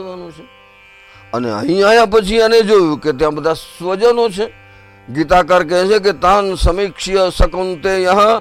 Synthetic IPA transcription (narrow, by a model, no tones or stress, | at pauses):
ʋanõt͡ʃʰe | ənḛə̰ɦĩajãpət͡ʃʰiəned͡ʒojũket̪jãbəd̪ʱasʋəd͡ʒənot͡ʃʰe | ɡit̪akəɾk̬ɛ̃t͡ʃek̬et̪ãnsəmikʂjəsəkənt̪ejə̃ɦã